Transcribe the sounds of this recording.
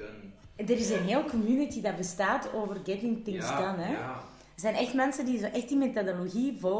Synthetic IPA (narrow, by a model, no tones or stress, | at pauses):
dəɾɪsənɦeːlˠkɔmjynitidarbəstaːtoːvərɡɛtɪŋpɪŋsɡanɛ | ərzɛjnɛxtmɛnsəndizoːʔɛxtdimetodoloɣivɔ